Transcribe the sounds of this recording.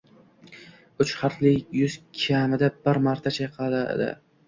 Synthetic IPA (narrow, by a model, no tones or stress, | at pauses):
ʊt͡ʃχɑɾt̪lɪjʊz̥kʲʰamɪd̪abɪɾmaɾt̪ʰat͡ʃʰajqʰɑad̪aḛd̪ɪ̰